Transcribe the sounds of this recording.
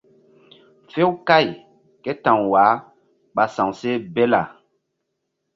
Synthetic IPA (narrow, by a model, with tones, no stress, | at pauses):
fe˦wka˦˨j | kɛ˦tã˨ŋwaː˨˦ | ɓa˨sã˨ŋse˦be˦la˨